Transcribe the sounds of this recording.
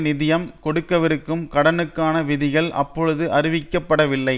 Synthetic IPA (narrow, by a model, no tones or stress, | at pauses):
nɪðɪjɐmkɔɽɯkːɐʋɪɾɯkːɯmkɐɽɐnɯkːaːnɐʋɪðɪɣɐɭʔɐ̰pːɔɻɯðɯʔɐɾɪʋɪkːɐpːɐɽɐʋɪlːɐɪ